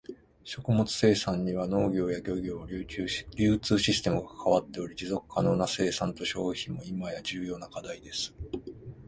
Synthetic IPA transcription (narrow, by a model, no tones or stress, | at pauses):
ɕo̞kɯ̟mo̞t͡sɨ̥se̞ːsãɲ̟ːiβ̞ano̞ːɡʲo̞ːjaɡʲo̞ɡʲo̞ːɾʲɾʲɨːt͡sɨːɕisɨ̥t̪e̞mɯ̟ɡakʰaβat̪ːe̞o̞ɾʲid͡ʑizo̞kɯ̟̥kʰːanonase̞ːsãnt̪o̞ɕo̞ːçĩmːo̞imajad͡ʑɨːjo̞ːnakad̪aid̪e̞sɨ̥